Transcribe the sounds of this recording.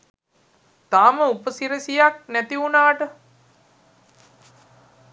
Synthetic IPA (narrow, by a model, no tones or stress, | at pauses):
t̪aːməupəsiɾəsijak̚næt̪iunaːʈə